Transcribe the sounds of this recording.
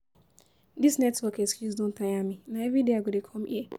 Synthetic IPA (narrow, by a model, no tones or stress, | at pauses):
disnɛtwɔkeskjuzdõn̩taɲaminaevɾideaɡodekʰɔm̩ʔie